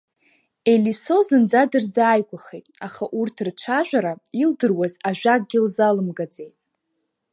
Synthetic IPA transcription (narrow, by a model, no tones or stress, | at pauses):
e̞liso̞zɨnd͡zadɨrzaːjɡʷʼaχejtʼaχaʔurtʰrt͡ʃʷʰaʒᶣʷaɾaildɨrwazaʒʷᶣak̚ʼɡʲilzalɨmɡad͡zejtʼ